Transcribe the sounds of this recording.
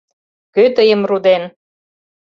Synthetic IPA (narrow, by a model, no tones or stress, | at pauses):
køt̪əjəmrud̪en